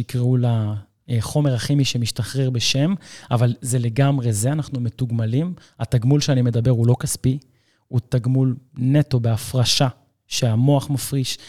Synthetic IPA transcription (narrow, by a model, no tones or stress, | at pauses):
ikʁeula | eχo̞me̞ʁaχimiʃemiʃtaχʁeʁbeʃe̞mavalze̞le̞ɡamʁe̞zeanaχnumetuɡmalim | ataɡmulʃeanime̞d̪abe̞ʁulo̞kaspi | utaɡmulne̞to̞be̞afʁaʃa | ʃeamo̞aχmafʁiʃ